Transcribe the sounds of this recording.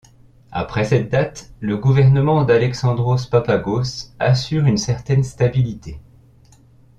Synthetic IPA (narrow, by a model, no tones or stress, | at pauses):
a̰pχɛsɛt̪̚d̪at̪ləɡuvɛʁnəmɑ̃d̪alɛksɑ̃d̪ʁospapaɡosasyʁynsɛʁt̪ɛnst̪abilit̪e